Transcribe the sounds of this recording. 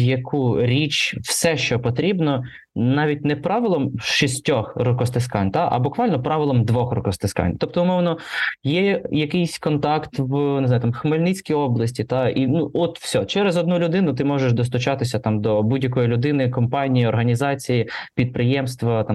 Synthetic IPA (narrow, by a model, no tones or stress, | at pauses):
jɐkʰuɾʲit͡ʃwsɛʃt͡ʃɔpɔt̪ɾʲibnɔ | nɑʋʲit̚ʲnɛpɾɑʋɪlˠɔmʃisʲtʲɔxrɔkɔst̪ɪskɑnʲt̪ɑʔɐ̰bʊkʋɑlʲnɔpɾɑʋɪlˠɔmd̪ʋɔxrɔkɔst̪ɪskɑ̰nʲt̪ɔp̚t̪ɔʊmɔwnɔjɛjɐkɪjsʲkɔnt̪ɑkt̪wneznajʊt̪ɑmxmɐlʲnit͡sʲkʲiɔblˠɐsʲtʲit̪ɑinuɔt̪fsʲɔt͡ʃɛɾezɔd̪̚nulʲʊd̪ɪnʊt̪ɪmɔʒeʃd̪ɔs̬t̪ʊt͡ʃɑt̪ɪsʲɐt̪ɑmd̪ɔbudʲjɐk̬ɔjilʲʊd̪ɪnɪkɔmpɑnʲijiɔrɦɐnʲizɑt͡sʲijipʲid̪̚pɾɪjɛmst̪ʋɐt̪ɑ